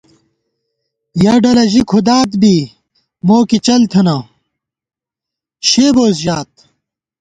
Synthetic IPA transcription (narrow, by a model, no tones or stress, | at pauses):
jɐɖɐlɐʑikʰud̪aːt̪bi | moːkit͡ɕɐlt̪ʰɐnɐ | ɕeːboːsʑaːt̪̚